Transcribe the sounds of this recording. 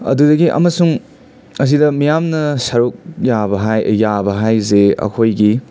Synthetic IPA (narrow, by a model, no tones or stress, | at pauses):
ɐ̰dudɐɡiʔɐ̰mɐsuŋ | ɐs̬idɐmijamnɐsɐɾuk̚jabɐɦajjabɐɦajzeɐ̰kʰojɡi